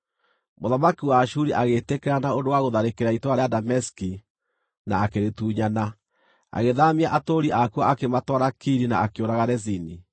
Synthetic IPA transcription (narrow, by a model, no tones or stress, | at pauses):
moðamakiwaːʃuɾiʔaɣetekɛɾanaondowaɣoðaɾekeɾaitwaɾeadamɛski | naːkeɾetuːɲana | a̰ɣeðamiaʔatoɾiʔakuaʔakematwaɾakiɾina̰akeoɾaɣaɾɛzini